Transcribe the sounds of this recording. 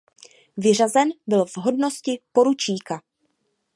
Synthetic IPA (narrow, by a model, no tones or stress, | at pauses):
vɪr̝azɛnbɪlvɦo̞dno̞scɪpo̞ɾut͡ʃiːka